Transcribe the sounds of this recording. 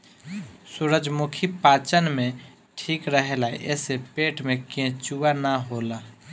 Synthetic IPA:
suɾəd͡ʒmukʰipaːt͡ʃənmẽ | ʈʰiːkɾəɦela̰ʔɛ̰ːsepeːʈʰmẽkẽt͡ʃuanaɦoːla

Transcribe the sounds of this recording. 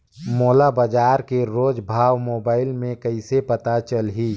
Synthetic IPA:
moːlabəd͡ʒaːɾkeɾoːd͡ʒbʱaːwmoːbaːɪlmẽkəɪsepət̪at͡ʃəlɦi

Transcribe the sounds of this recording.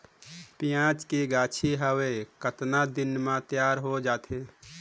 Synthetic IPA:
pijãːt͡ʃkeɡaːt͡ʃʰiɦəwekət̪nad̪ɪnmãt̪jaːɾɦod͡ʒaːt̪ʰeː

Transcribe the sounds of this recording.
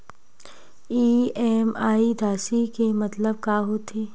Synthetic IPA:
iːɛːmaːid̪ʱaːsikemɐt̪ləb̚kaːɦot̪ʰeː

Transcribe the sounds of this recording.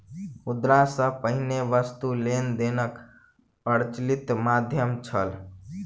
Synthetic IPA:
ud̪ɾasə̃pəɦineʋəst̪ulend̪enək | pəɾt͡ʃlit̪mad̪ʱjəmt͡ʃʰəl

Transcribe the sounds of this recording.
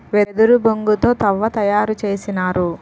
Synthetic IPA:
ʋed̪uɾuboŋɡut̪o̞ːt̪ɐʋːɐt̪ɐjaːɾut͡ʃeːsinaːɾu

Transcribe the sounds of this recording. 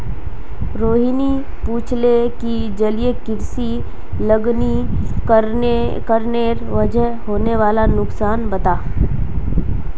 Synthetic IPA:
ɾoːɦini | puːt͡ʃʰleki | d͡ʒɐlijekɪɾsi | ləɡni | k | kəɾneɾʋɐd͡ʒəɦɦoːneʋaːlanʊksaːnbɐt̪aː

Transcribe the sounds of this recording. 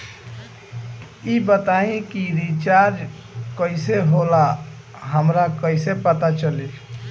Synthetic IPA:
ibət̪aĩkiɾit͡ʃaɾd͡ʒ | kəiseɦola | ɦəmɾakəɪsepət̪at͡ʃəli

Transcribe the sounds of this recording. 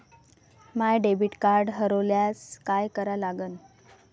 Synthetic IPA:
majɖebiʈkaɾɖɦəɾoljaskajkəɾalaɡən

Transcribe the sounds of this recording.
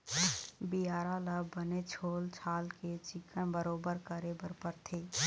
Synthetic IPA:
bijaːɾaləbbənet͡ʃʰoːlt͡ʃʰaːlket͡ʃɪkənbəɾoːbəɾkəɾebəɾpəɾt̪ʰeː

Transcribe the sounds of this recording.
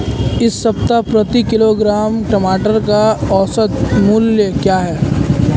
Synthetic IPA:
ɪsːɐpt̪apɾɐt̪ikɪloːɡɾaːmʈɐmaːʈəɾkaɔːsət̪mʊljəkjaːɦɛː

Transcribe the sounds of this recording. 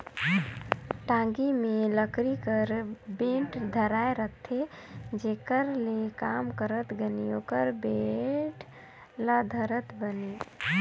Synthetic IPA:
ʈãŋɡimeləkɾikəɾbẽɳʈd̪ʱəɾaeɾət̪ʰed͡ʒekəɾlekamkəɾət̪ɡeniokəɾbeʈ | ləd̪ʱəɾət̪bəni

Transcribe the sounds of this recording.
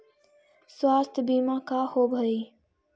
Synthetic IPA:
swaːst̪ʰbiːmãːkaːhoːbʱəiː

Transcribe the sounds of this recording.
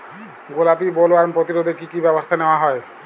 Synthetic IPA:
ɡolapibɔloaɾmpɾɔt̪iɾod̪ʱekikibɛbɔst̪ʰaneoaɦɔe

